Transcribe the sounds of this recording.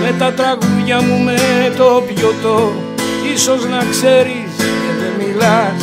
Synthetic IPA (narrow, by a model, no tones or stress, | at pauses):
me̞t̪ɐt̪ɾɐɣuðʝɐmumet̪o̞pʝot̪o | iso̞znɐkse̞ɾisceðemilɐs